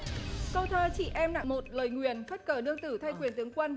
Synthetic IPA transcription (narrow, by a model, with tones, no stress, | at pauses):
kə˧˩wt̪ʰəː˧t͡ɕḭ˧˨ʔɛ˧mna̰˧˨ŋmo˨˩t̚ləː˨˩jŋwi˨˩ənfə˦˥t̚kəː˧˩ɗɨ˧əŋt̪ɨ˧˩t̪ʰa˧jkwi˨˩ənt̪ɨ˨˦əŋkwə˧n